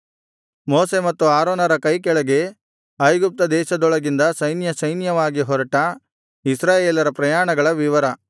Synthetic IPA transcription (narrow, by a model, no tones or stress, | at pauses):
moːsemɐt̪ːuaːɾoːnɐɾɐkɐjkɛɭɐɡe̞ | ɐjɡup̚t̪ɐd̪ɛːʃɐd̪ɔɭɐɡind̪ɐsɐjnjɐsɐjnjɐʋaːɡiɦɔɾɐʈɐ | isɾaːjeːlɐɾɐpɾɐjaːɳɐɡɐɭɐʋiʋɐɾɐ